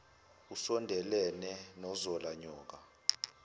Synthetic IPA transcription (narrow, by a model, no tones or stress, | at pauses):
usɔndʱɛlɛnɛnɔzɔlaɲɔːk̬a